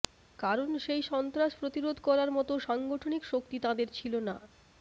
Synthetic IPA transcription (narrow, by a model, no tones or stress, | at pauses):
kaɾonʃejʃɔnt̪ɾaʃpɾot̪iɾod̪ʱkɔɾaɾmɔt̪oʃaŋɡoʈʰonikʃok̚t̪it̪ãd̪eɾt͡ɕʰilona